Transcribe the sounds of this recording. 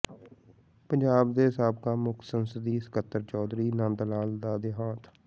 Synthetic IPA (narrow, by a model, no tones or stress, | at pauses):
pəɲd͡ʒaːbd̪eːɦɪsaːb̚kaːmʊkʰsənsəd̪iːsɪ̥kət̪ːəɾt͡ʃɔːd̪ɾiːnãːnd̪əlaːld̪aːd̪eɦaːt̪ʰ